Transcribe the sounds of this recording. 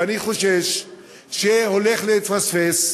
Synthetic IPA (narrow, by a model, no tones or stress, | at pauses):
aniχo̞ʃeʃ | ʃeho̞le̞χletfasfes